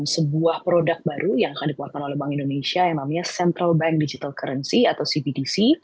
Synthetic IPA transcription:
msəbuahpɾodak̚baɾujaŋakandikupat̚kanolɛhbaŋindonesiajaŋnamaɲasɛnt̪ɾalbɛŋk̚did͡ʒit̪alkəɾənsiat̪awsibidisi

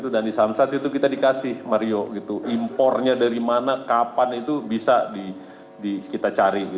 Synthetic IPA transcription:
t̪udandisamsat̪it̪ukit̪adikasɪhmaɾioɡit̪uʔimpɔrɲadaɾimanakapanit̪ubisadi | dikit̪at͡ʃaɾiɡi

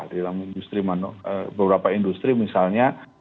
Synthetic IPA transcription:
dalamindust̪ɾimanɔəbəbəɾapaindust̪ɾimisalɲa

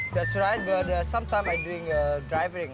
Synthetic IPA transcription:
ðɛtsɹaɪt̚bʌt̚əsãmtʰãɪ̃mãjduɪ̃ŋədɹajvəɹɪ̃ŋ

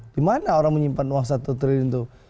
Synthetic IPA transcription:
d̥imanaoɾaŋməɲimpanwaŋsat̪ut̪əɾiint̪u

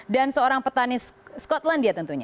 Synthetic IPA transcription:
dansəoɾaŋpət̪anisskɔt̪landiat̪ənt̪uɲa

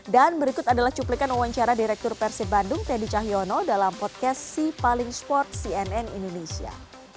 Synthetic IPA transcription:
danbəɾikʊt̪adalaht͡ʃuplikanuwaɲt͡ʃaɾadiɾɛk̚t̪ʊrpɛrsibandʊŋt̪ɛdit͡ʃaɦjɔnɔdalampɔt̪̚kɛsːipalɪŋspɔrt̪̚siɛnɛnḭndonesia̰

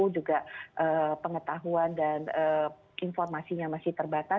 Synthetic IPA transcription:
ud͡ʒuɡaʔəːpəŋət̪aɦuandanə | ʔinfɔrmasijaŋmasɪht̪ərbat̪a

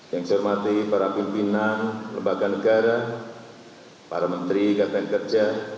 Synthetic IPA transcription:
jaŋsɔrmat̪ipaɾapimpinanləmbaɡanəɡaɾa | paɾamənt̪ɾikat̪ankərd͡ʒa

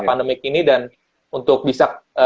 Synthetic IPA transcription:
pandəmɪk̚inidan | unt̪ʊk̚bisak̚ə

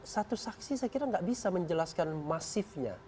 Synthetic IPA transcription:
sat̪usaksisajkiɾaŋɡaʔbisaməɲd͡ʒəlaskanmasɪfɲa̰

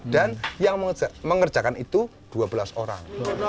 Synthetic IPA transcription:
d̥anjaŋməməŋərd͡ʒ̥akanit̪u | d̥uabəlaso̰ɾa̰ŋ

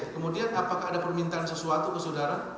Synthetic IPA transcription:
kəmudianapakaːdapərmint̪aːnsəsuat̪ukəsodaɾan

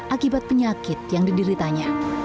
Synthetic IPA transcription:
ʔakibat̪̚pəɲakɪt̪̚jaŋdidiɾit̪aɲa

